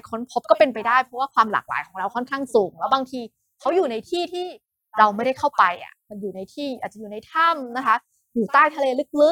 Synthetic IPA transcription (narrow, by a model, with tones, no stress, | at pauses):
kʰo˦˥npʰo˦˥p̚kɔː˥˩pe˧npa˧jdaː˥˩jpʰɾɔ˦˥waː˥˩kʰwaː˧mla̰ː˨˩k̚la̰ː˨˦jkɔː˩˦ɾa˧wkʰɔ˥˩nkʰaː˥˩ŋsuː˨˩˦ŋlɛː˦˥wbaː˧ŋt̪ʰiː˧ | kʰa˦˥wjuː˨˩na˧jt̪ʰiː˥˩t̪ʰiː˥˩ | ɾa˧wma˥˩jda˥˩jkʰa˥˩wpa˧jʔa̰˨˩ma˧njuː˨˩na˧jt̪ʰiː˥˩ʔaː˨˩t͡ɕa˨juː˨˩na˧jt̪ʰa˥˩mna˦˥kʰa˦˥ | juː˨˩t̪aː˥˩jt̪ʰa˧leː˧lɯ˦˥k̚lɯ˦˥